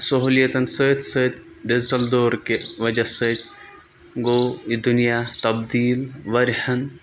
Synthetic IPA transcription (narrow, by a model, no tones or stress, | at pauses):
sɐɦuːlijɐt̪ɐnsəːt̪ʰʲsəːt̪ | ɖezɐld̪oːɾkeʋɐd͡ʒɐsəːt̪ | ɡoːid̪unijat̪ɐbd̪iːlʋɐɾhɐn